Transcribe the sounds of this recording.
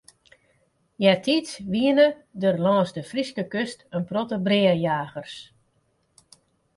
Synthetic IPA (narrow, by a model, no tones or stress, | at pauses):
jɛtʰitsʋiənədərlɔːsdəfriskəkøstənprɔtəbrɪərjaːɣərs